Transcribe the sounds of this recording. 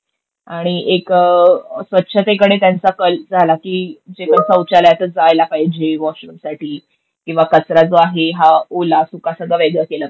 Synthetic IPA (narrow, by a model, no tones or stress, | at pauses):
aɽ̃iʔek | sʋət̪ːɕʰət̪ekəɽet̪jant͡sakəld͡zʱalakiːd͡zepəɳsə̃wt͡ɕaljat̪əɾd͡zajlapaɦid͡ʑeʋɔɕɾəmsaʈʰiː | kĩw̃ʋakət͡sɾad͡zoaɦeɦaolasukasəɡɭaʋeɡɭəkelə